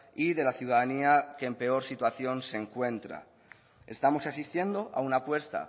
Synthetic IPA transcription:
iðe̞laθjuð̞aðaniakeːmpe̞o̞ɾsit̪waθjõ̞nse̞ŋkwẽ̞nt̪ɾa̰ | e̞st̪amo̞sasist̪je̞nd̪o̞ʔa̰unapwe̞st̪a̰

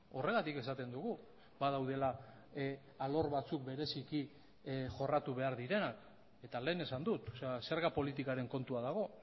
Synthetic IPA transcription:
o̞re̞ɣ̞at̪ike̞sat̪e̞nd̪uɣ̞u | bað̞awð̞e̞la | alo̞ɾβat͡suk̚be̞ɾe̞siki | ʝo̞rat̪uβe̞aɾðiɾe̞nak | e̞t̪ale̞ːne̞sand̪ut̪sse̞ɾɣapo̞lit̪ikaɾe̞ŋko̞nt̪uaðaɣ̞o̞

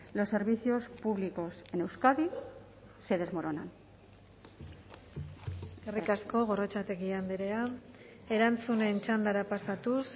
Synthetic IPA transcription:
lo̞sːe̞ɾβiθio̞spuβliko̞se̞ne̞wskaði | seðe̞zmo̞ɾona̰n | erikasko̞ɣ̞o̞ro̞t͡ʃat̪e̞ɣiambeɾe̞a | e̞ɾant͡sune̞nt͡ʃand̪aɾapasat̪us

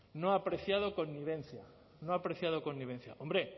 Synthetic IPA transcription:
nõŋapɾeθjaðokonːiβẽnθja | nõŋapɾeθjaðokonːiβ̞ẽn̟θja̰ʔõmbɾe

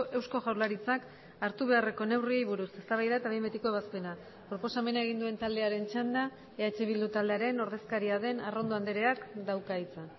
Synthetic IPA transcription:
e̞wsko̞ʝawɾlaɾit͡sak | aɾt̪uβ̞e̞are̞ko̞ne̞wriejβuɾuse̞st̪aβajðaet̪aβejmbet̪ikoeβaspe̞na | pɾo̞po̞same̞nae̞ɣ̞ind̪ue̞nt̪ald̪e̞aɾe̞nt͡ʃand̪a | eat͡ʃeβild̪ut̪ald̪e̞aɾe̞no̞ɾð̞e̞skaɾiaðe̞naro̞nd̪o̞and̪eɾe̞akd̪awkait͡sa

